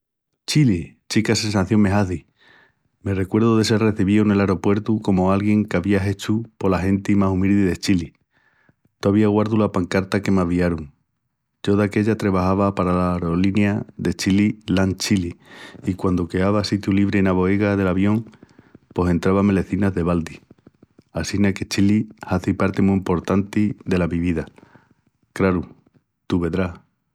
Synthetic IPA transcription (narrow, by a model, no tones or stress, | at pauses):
t͡ʃilit͡ʃikasẽ̞nsaθjo̞ŋme̞ɦaθi | me̞re̞kwe̞ɾðoðe̞seɾre̞θiβione̞laɾo̞pwe̞ɾt̪uko̞moalɣje̞ŋkaβiaɦe̞t͡ʃupo̞laɦe̞nt̪imasumild̪iðet͡ʃili | t̪oaβiaɣwaɾðulapaŋkaɾt̪ake̞maβiaɾuŋ | d͡ʒo̞ðake̞ʎat̪ɾe̞βahaβapaɾalaɾo̞linjaðe̞t͡ʃililaŋt͡ʃiliːkwand̪oke̞aβasit̪juliβɾenaβo̞eɣaðe̞laβjo̞ŋ | po̞se̞nt̪ɾaβame̞le̞θinazðe̞βald̪i | asinake̞t͡ʃilihaθipaɾt̪emuimpo̞ɾt̪ant̪iðe̞laβiβiða | kɾaɾu | t̪uβe̞ðɾa